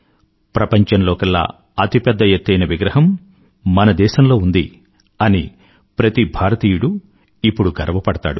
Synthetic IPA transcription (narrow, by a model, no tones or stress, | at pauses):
pɾɐpɐɲt͡ʃɐnloːkɐlːa̰ː | ɐt̪ipɛd̪ːɐjet̪ːɐjnɐʋiɡɾɐɦɐmː | ɐnɐd̪ɛːʃɐmlo̞ːund̪ḭ | ɐni | pɾɐt̪ibʱaːɾɐt̪iːjuɽu | ipːuɽuɡɐɾɐʋɐpɐɽɐt̪a̰ːɽṵ